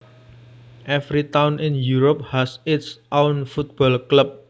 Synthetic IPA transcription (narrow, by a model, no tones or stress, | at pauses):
ʔɛfɾit̪awnʔɪ̃njuɾop̚hasɪt̪sʔawnfut̪̚b̥ɔlklap̚